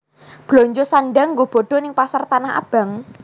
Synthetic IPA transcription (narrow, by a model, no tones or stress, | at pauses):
b̥lɔɲd͡ʒosanɖaŋːɡob̥ɔ̤ɖ̥ɔ̤nɪŋpasart̪anaha̰b̥a̤ŋ